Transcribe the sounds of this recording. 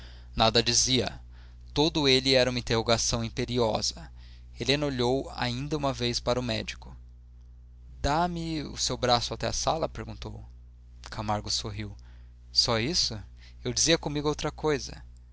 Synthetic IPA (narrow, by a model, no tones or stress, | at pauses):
nad̪ɐd͡ʒiziɐ̰ | t̪od̪ʊelɪɛɾɐũmɐĩt̪eɦoɡasɐ̃w̃ĩpeɾiɔ̰z̥ɐ | helẽnɐoʎowa̰ĩnd̪ɐũmɐvejspaɾɐʊmɛ̰d͡ʒikʊ | d̪amɪʊ̰sewbɾasʊat̪ɛa̰salɐpeɾɡũnt̪ow | kʰamaɾɡʊsoɦiw | sɔisʊ | ewd͡ʒiziɐkõmiɡʊowt̪ɾɐkojzɐ̰